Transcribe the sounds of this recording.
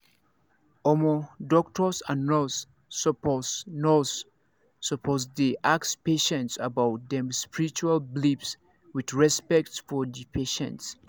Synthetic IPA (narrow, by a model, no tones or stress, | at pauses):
ɔmɔdɔk̚tʰɔsãnːɔs | psnɔsː | ɔpʰozdeʔakspeʃɛ̃ntsabawt̚dɛ̃mspiɹit͡ʃualblibs | wiðɹɛspɛk̚tfɔdipʰeʃɛ̰̃nts